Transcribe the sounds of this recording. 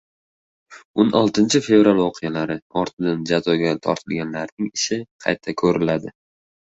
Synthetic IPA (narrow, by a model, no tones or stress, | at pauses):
onɒlˠt̪ʰɪnt͡ʃʰɪfe̞vɾalˠvoqʰɨjalaɾɪɒɾt̪ʰɪd̪and͡ʒazɒɡʲat̪ʰɒ̰ɾt̪ʰɪlɡʲanlaɾnɪŋɪʃɪqʰɑ̰jt̪ʰːakʰɵɾɪlad̪ɪ